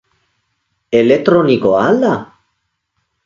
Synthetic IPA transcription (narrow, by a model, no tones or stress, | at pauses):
elet̪ɾonikoala